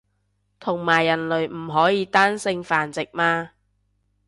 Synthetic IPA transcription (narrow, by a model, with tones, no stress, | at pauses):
t̪ʰʊ˨˩ŋmaː˨˩jːɐ˨˩nlɵ˨ɥm̩˨˩ɦɔː˨˥jiː˨˧t̪aː˥nsɪ˧ŋfaː˨nt͡sɪ˨k̚maː˧